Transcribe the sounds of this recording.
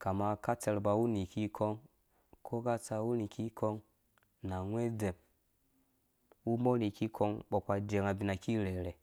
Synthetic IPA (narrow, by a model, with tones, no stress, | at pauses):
ka˨ma˧ka˦tɛ˧ɾba˧˨u˦ni˨kʰi˦kʰɔ˦ŋ | kʰo˦ɡa˧t͡sa˧wu˦ni˨kʰi˦kʰɔ˧ŋ | na˨ŋʷ˦e˦dɛ˨m | u˦mɔ˦ni˨ki˦kʰɔ˧ŋɓɔ˨pa˧d͡ʒɛ˨ŋa˨bi˨na˨ki˦lɛ˨ɾɛ˨